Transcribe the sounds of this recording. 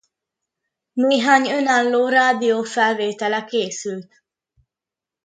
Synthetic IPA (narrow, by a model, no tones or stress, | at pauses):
neːɦaːɲønaːlːoːɾaːd̪ijoːfɛlveːt̪ɛlɛkeːsylt̪